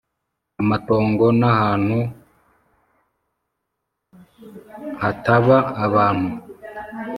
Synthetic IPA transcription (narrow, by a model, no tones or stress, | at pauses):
amato̞ːŋɡo̞nahaːn̥hu | hataβaːβaːn̥hu